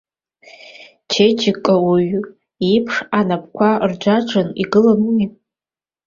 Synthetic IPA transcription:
t͡ʃʰet͡ʃʰɪkʼːawiɥ | ipʰʂanap̚ʰkʷʰard͡ʒʷaʈ͡ʂʰʼɨnḭɡɨlammi

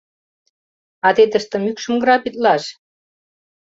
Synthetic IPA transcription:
ɑt̪et̪ə̆ʃt̪ə̆mykʃə̆mɡɾɑpit̪̚lɑʃ

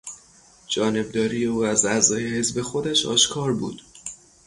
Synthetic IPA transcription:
d͡ʒɒːne̞b̚d̪ɒːɾiːje̞uːæzæzɒːje̞he̞zbe̞xo̞d̪æʃɒ̰ːʃkʰɒːɾbṵːd̪̥

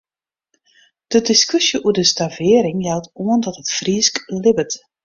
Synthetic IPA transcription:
d̥ədɪskʏsjəʔuədəstavɪəɾɪŋjɛlˠtuəndɔtətfrisklɪbət

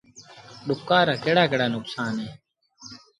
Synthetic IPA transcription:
ɗʊkːaːɾaːkeːɽaːkeːɽaːnʊksaːnɦeː

